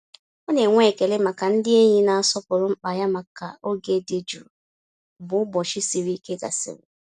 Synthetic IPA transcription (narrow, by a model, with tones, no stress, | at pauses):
o˦ne˨ŋʷe˦˨ke˨le˦ma˨ka˨n̩˦dɪ˦e˦ɲi˦na˨a˨sɔ˦pʊ˨ɾʊ˦m̩˦k͡pa˨ja˦ma˨ka˨o˦ɡe˦˨de˦d͡ʒṵ˨ | bʊ˨ʊ˦bɔ˨ʃɪ˦sɪ˨ɾi˦ke˦ɡa̰˨sɪ̰˨ɾʊ̰˨